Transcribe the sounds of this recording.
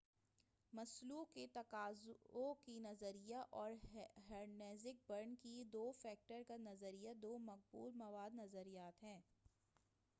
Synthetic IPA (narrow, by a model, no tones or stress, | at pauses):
mɐsluːkːet̪ɐkaːzokinɐzəɾijaʔɔːɾɦɛːɾneːzɪk̚bɐɾnkid̪oːfɛːk̚ʈəɾkanɐzəɾijad̪oːmɐk̚bṵːlmɐʋaːd̪nɐzəɾijaːt̪ɦɛ̃ː